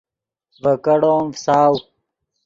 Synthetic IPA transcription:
vəkɐɽoːmsaːw

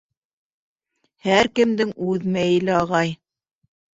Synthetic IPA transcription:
hæɾkɘ̆md̪ɘŋʉðmæjɘ̆lɘɑʁɑj

